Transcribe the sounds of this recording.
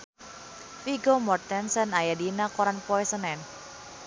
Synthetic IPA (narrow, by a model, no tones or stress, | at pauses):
fiɡomɔrt̪ɛnsənajadinakɔɾanpɔɛsənɛn